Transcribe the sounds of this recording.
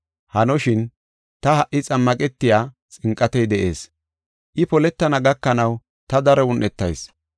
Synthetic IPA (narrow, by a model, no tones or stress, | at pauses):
hɐnɔʃɪn | t̪ɐhɐʔːɪt͡sʼɐmːɐkʼɛt̪ːɪjaː | t͡sʼɪŋkʼːɐt̪ɛjd̪ɛʔe̞ːs | ʔɪpɔlɛt̪ːɐnɐɡɐkːɐnɐw | t̪ɐd̪ɐɾɔʊnʔɛt̪ːɐjs